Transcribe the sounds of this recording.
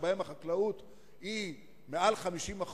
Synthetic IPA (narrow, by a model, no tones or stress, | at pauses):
bahemaχaklaut̪ | i | mealχamiʃimaχ